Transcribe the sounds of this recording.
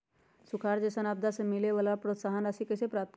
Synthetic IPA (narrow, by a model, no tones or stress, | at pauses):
sukʰaɾd͡ʒesənab̚d̪asemɪleʋalapɾoːt̪saɦənəsikəsepɾat̪